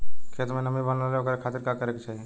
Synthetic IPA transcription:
kʰet̪menəmibənaleokəɾekʰat̪iɾkakəɾeket͡ʃʰaːɦi

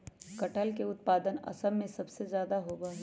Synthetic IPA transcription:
kɐʈʰəlkeʊt̪̚paːd̪ənɐ̰səmːẽsɐbsezjaːd̪aɦoːɡaː

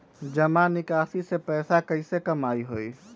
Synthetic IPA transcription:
d͡ʒəmanɪkasisepɛːsakəɪsekəmaiɦoj

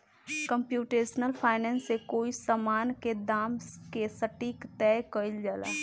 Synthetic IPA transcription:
kəmpjuːʈeːʃnəlpʰaːɪnɛ̃ːnsːekoːisamaːnked̪aːmkesəʈiːkt̪ɛːkəɪld͡ʒaːla̰ː

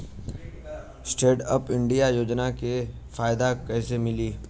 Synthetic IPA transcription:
sʈeːʈəpɪ̃ɳɖijajoːd͡ʒnake | faːjd̪akɛːsemɪliː

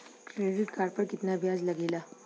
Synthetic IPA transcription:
kɾeɽiʈkaɖpəɾkit̪nabjad͡zləɡila

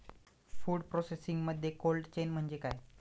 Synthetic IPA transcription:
fuːɽpɾosesiŋɡməd̪ʱjekolʈt͡ɕenm̤əɳd͡ʑekaj

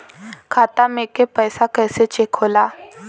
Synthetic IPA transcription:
kʰat̪amekepəjsakəjset͡ɕekʰola

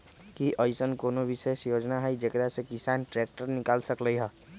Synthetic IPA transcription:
kiʔəɪsənkoːnobisesjoːd͡ʒnaɦɛid͡ʒekəɾasekisanʈɾek̚ʈəɾnɪkaːlsəkləjɦɛ

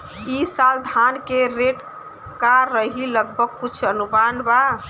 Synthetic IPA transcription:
isald̪ʱankeɾeʈ | kaɾːəɦiləɡ̚bʱəɡ̚kut͡ʃʰənumanba

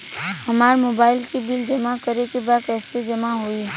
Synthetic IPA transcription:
hɐmaːɾmoːbaːɪlkibɪld͡ʒɐmakɐɾekebaːd̪̚kɛːsed͡ʒɐmaɦoiː

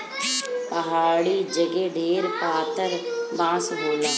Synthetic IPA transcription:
pəɦaːɽid͡ʒəɡeɖʱeːɾpaːt̪əɾbãːsɦoːnaː

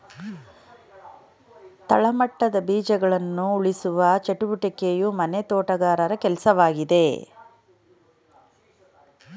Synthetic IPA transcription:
t̪ɐ̰ɭɐmɐʈːɐd̪ɐbiːd͡ʒɐɡɐɭɐnːuːɭisuʋɐt͡ʃeʈubuʈɐkejumɐnet̪oːʈɐɡaːɾɐɾɐkɛlsɐʋaːɡid̪e̞

